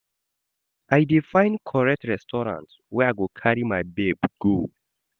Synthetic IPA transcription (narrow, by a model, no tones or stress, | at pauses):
ʔaɪdifãɪ̃nkʰɔɹɛk̚tɹɛstʰɔɹã̰ntswɛaɪɡokʰaɹimaɪbebɡ̥o